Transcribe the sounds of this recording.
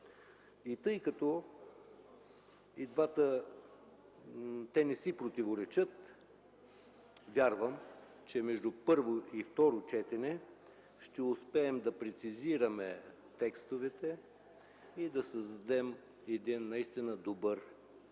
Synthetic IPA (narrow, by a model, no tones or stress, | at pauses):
it̪ɤjkɐt̪ɔ | id̪vat̪ə | t̪ɛnɛsipɾot̪ivoɾɛt͡ʃət̪ | vʲjaɾvəm | t͡ʃɛmɛʒd̪upɤɾvoift̪ɔɾot͡ʃɛt̪ɛnɛ | ʃt̪ɛʊspɛːmd̪ɐpɾɛt̪siziɾɐmɛ | t̪ɛkst̪ovɛt̪ɛ | id̪ɐsəzd̪ɐd̪ɛm | ɛd̪inːɐist̪inəd̪obɤɾ